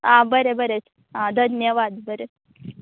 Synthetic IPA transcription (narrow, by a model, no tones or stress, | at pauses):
ãbəɾebəɾet͡s | ãd̪ʱənnjəʋad̪bəɾe